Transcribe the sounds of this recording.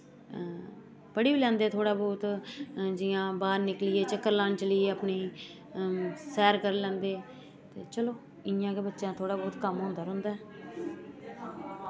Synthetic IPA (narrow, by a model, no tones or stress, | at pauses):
pəɽiːbiːlɛ̃ːnd̪eːt̪ʰoːɽaːbɔːt̪d͡ʒɪjãːbaːɾnɪklɪeːt͡ʃəkːəɾlaːnt͡ʃəliːeːaːpniː | sɛːɾkəɾlɛ̃ːnd̪eː | t̪eːt͡ʃəloː | ɪjãːkebətːʃjãːt̪ʰoːɽaːbɔːt̪kəmɦõːnd̪aːɾʊ̃ːnd̪aːɛ